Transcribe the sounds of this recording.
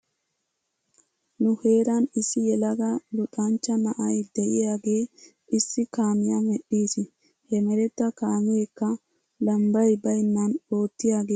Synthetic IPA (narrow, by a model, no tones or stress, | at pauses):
nʊheːɾanɪsːɪjɛlɐɡɐlʊᶑant͡ʃːɐnɐʔɐjd̪ɛʔɪjaːɡeː | ʔɪsːɪkaːmɪjamɛᶑːiːsɪ | hɛmɛɾɛt̪ːɐkaːmɪekːɐ | lɐmbɐjbɐjnːano̞ːt̪ːɪjaːɡeː